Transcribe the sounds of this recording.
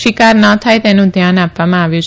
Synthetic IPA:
ʃikaɾnət̪ʰajt̪enũd̪ʱjanapʋamãaʋjũt͡ʃ

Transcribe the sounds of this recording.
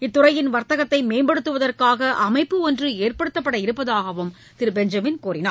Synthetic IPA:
ɪt̪ːʊrɐjɪnʋɐɾt̪ɐɣɐt̪ːɐɪmeːmbɐɽɯt̪ːɯʋɐðɐrkaːɣɐʔɐmɐɪpːɯɔndrɯeːrpɐɽɯt̪ːɐpːɐɽɐɪɾɯpːɐðaːɣɐʋɯm | t̪ɪɾɯbɛɲd͡ʒɐmɪnkuːrɪna̰ː

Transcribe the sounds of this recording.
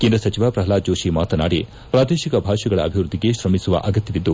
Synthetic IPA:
kend̪ɾɐsɐt͡ʃiʋapɾɐɦɐlaːd͡ʒoːʃimaːt̪ɐnaːɽi | pɾaːd̪eːʃikɐbʱaːʃɐɡɐɭɐ̰ɐbʱiʋɾud̪ːiɡe̞ʃɾɐmisuʋɐ̰ʔɐɡɐt̪jɐʋid̪ːu

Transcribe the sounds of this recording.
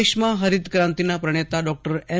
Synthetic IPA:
ʂmaɦəɾid̪kɾãnt̪inapɾəɳ̃et̪aɖɔk̚ʈəɾɛ

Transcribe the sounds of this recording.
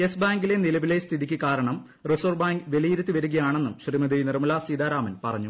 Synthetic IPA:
esbaːŋɡile̞nilɐʋile̞st̪ʰiðikʲːɨkaːɾɐɳɐm | risoːrbaːŋɡʋe̞lijiɾut̪ːiʋɐɾuɣɐjaːɳe̞nːumɕrimɐd̪ijnirɐmɐlasiːd̪aːɾaːmɐnpɐrɐɲːu

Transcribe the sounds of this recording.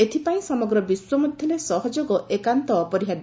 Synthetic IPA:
et̪ʰipaĩsɔmɔɡɾɔbiswɔmɔd̪ʱjɔlesɔɦɔd͡ʒoɡɔʔekant̪ɔpɔɾiɦad̪

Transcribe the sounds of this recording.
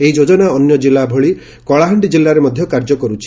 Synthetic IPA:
eid͡ʒod͡ʒɔnaɔnjɔd͡ʒilːabʱɔɭi | kɔɭaɦɔɳɖid͡ʒilːaɾemɔd̪ʱjɔkaɾd͡ʒɔkɔɾut͡ʃʰi̥

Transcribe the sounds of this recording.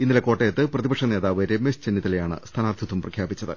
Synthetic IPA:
inːilɐko̞ːʈːejɐt̪ːɨprɐðibɐkʂɐne̞ːðaːʋɨɾemːest͡ɕenːit̪ːilejaːɳɨ̰st̪ʰɐnaːrd̪ʱid̪umprɐkʰjaːbit͡ɕːɐðɨ̰

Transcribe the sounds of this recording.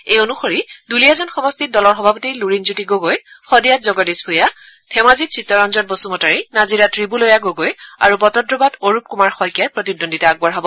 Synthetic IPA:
ejonuxoɹidulijazɔnxɔmɔstit̚dɔlɔɹxɔbʱapɔtiluɹinzutiɡoɡojxɔdijatzɔɡɔdesbʰʱuja | tʰɛmazit̚sɹitːɔɹɔnzɔt̚bɔsumɔtaɹinaziɹatɹibulojaɡoɡoja̰ɹupɔtɔdɹɔbadoɹup̚kumaɹxɔjkjajpɹɔtidonditaaɡ̚baɹɦabɔ

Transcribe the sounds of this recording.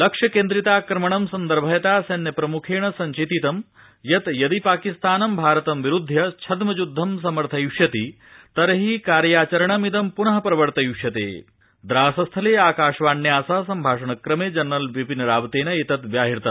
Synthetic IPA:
lɐkʂɐkeːnd̪ɾit̪aːkɾɐmɐɳɐmsɐnd̪ɐɾbʱɐjɐt̪aːsɐnjɐpɾɐmukʰeːɳɐsɐɲt͡ʃeːt̪it̪ɐm | jɐt̪jɐd̪ipaːkist̪aːnɐmbʱaːɾɐt̪ɐmʋiɾud̪ʱːjɐt͡ʃʰɐd̪mɐd͡ʒud̪ʱːɐms̬ɐmɐɾt̪ʰɐjuʂjɐt̪i | t̪ɐɾɦikaːɾjaːt͡ʃɐɾɐɳ̃ɐmid̪ɐmpunɐɦɐpɾɐʋɐɾt̪ɐjuʃjɐt̪ḛː | d̪ɾaːsɐst̪ʰɐleːaːkaːʂʋaːɳːjaːsaːsɐmbʱaːʂɐɳɐkɾɐmeːd͡ʒɐnɾɐlʋipinɐɾaːbt̪eːnɐet̪ɐt̪ʋjaːɦiɾt̪ɐ

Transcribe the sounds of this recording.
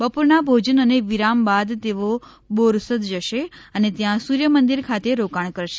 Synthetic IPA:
bəpuɾnabʱod͡ʒənəneʋiɾambad̪t̪eʋo | boɾsət̪d͡ʒəʃeənet̪jãsuɾjəmənd̪iɾkʰat̪eɾokaɳkəɾʃe̥

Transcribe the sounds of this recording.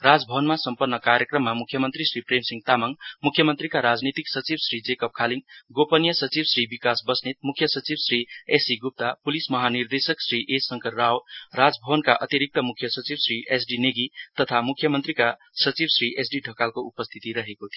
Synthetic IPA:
ɾad͡zbʱəbənmasəmpənːəkaɾjəkɾəmːamukʰjəmənt̪ɾisɾipɾemsĩŋɡt̪aməŋɡmukʰjəmənt̪ɾikaɾad͡znit̪iksʌt͡ʃibsɾid͡zekəp̚kʰaliŋɡɡopənijəsət͡ʃibsɾibikasbʌsnet̪̚mukʰːjʌsət͡sibsɾiesiɡup̚t̪apulismʌɦaniɾd̪esəksɾiʔesʌŋkʰəɾːawɾad͡zbʱəbənkaʔʌt̪iɾik̚t̪əmukʰjʌsʌt͡ʃibsɾiʔesɖineɡit̪ʌt̪ʰamukʰːjʌmənt̪ɾika | sʌt͡ʃibsɾiʔesɖiɖʱəkalkoʔupəst̪ʰit̪iɾʌɦekot̪ʰi

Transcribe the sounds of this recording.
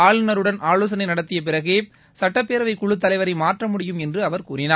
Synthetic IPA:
aːɭɯnɐɾɯɽɐnaːɭoːs̬ɐnɐɪnɐɽɐt̪ːɪjɐp̬ɪɾɐɣeː | sɐʈːɐpːeːɾɐʋɐɪkʊɭɯt̪ːɐlɐɪʋɐɾɐɪmaːʈrɐmʊɽɪjɯmɛndrɯɐʋɐɾkuːɾɪnaː

